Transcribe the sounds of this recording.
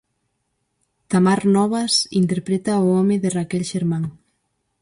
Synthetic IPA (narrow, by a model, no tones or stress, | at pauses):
t̪amaɾnɔβɐsḭnt̪eɾpɾet̪aʊɔmɪðɪrakɛlʃeɾmãŋ